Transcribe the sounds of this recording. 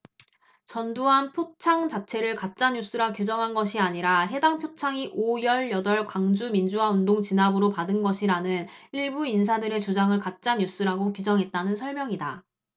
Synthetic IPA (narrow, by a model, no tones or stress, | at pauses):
t͡ɕʌnduɦanpʰjot͡ɕʰaŋt͡ɕat͡ɕʰe̞ɾɯɭkat̚t͡ɕ͈aɲus͈ɯɾakjud͡ʑʌŋɦanɡʌɕʰiaɲiɾaɦe̞daŋpʰjot͡ɕʰaŋiʔojʌɭjʌdʌɭkwaŋd͡ʑumind͡ʑuwaundoŋt͡ɕinabɯɾopadɯnɡʌɕʰiɾanɯniɭbuins̬ʰadɯɾe̞t͡ɕud͡ʑaŋɯɭkat̚t͡ɕ͈aɲjus͈ɯɾaɡokud͡ʑʌŋɦe̞t̚t͈anɯnsʰʌɭmjʌŋida